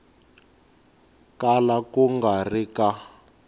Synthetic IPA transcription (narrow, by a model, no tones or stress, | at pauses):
kalakuŋɡarika